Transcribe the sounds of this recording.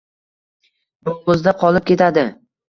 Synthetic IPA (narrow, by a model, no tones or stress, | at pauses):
bɒʊzd̪aqʰɒlˠɪp̚kʲe̞t̪ʰad̪ɪ